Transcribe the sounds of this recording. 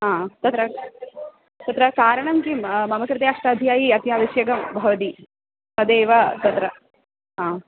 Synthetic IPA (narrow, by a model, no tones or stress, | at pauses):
ɦãːt̪ɐt̪ɾɐ | t̪ɐt̪ɾɐkaːɾɐɳɐmkimɐmɐkɾɪt̪eːaʂʈaːd̪ʱjaːjiɐt̪jaːʋiʃjɐɡɐmbʱɐʋɐt̪i | sɐd̪eːʋɐt̪ɐt̪ɾɐ | ɦãː